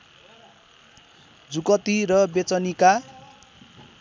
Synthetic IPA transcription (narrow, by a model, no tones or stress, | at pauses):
d͡zukʌt̪irʌbet͡sʌnika